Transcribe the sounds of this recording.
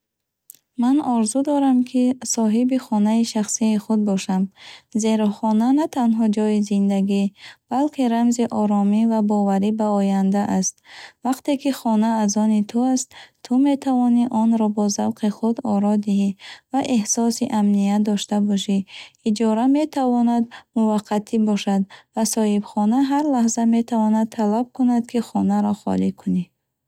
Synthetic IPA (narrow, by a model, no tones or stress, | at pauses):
manɔɾzud̪ɔɾamkʰisɔɦibiχɔnaiʃaχsiːχud̪̚bɔʃamze̞ɾɔχɔnanat̪ʰanɦɔd͡ʒɔjizind̪aɡib̥alkʰiɾamziʔɔɾɔmivabɔvaɾibaɔjand̪aʔast̪vaqt̪e̞kiχɔnaːzɔnit̪ʰuast̪t̪ʰume̞t̪ʰavɔniʔɔnɾɔbɔzavqiχud̪ɔ̰ɾɔd̪iɦivaʔehsɔsiʔamnijad̪ɔʃt̪abɔʃiːd͡ʒɔɾame̞t̪ʰavɔnad̪muvaqʰːat̪ʰibɔʃad̪vasɔhibχɔnaɦaɾlahzame̞t̪ʰavɔnad̪̚t̪ʰalab̚kunad̪kʰiχɔnaɾɔχɔ̰likʰuni